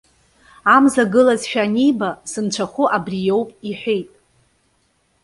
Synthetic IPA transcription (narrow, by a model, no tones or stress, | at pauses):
amzaɡɨlazʃᶣanijbasɨnt͡ʃʷʰaχʷʊʔabrijo̞wpʼiħʷᶣejtʼ